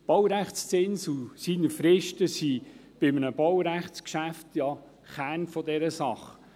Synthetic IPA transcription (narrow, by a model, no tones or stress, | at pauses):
b̥ɔwɾæχt͡st͡sɪnsusinəfɾɪʃtəsib̥ɪmənəbɔwɾæχt͡skʃæft̪jɑ | χæːnfɔdɛɾəsɑχ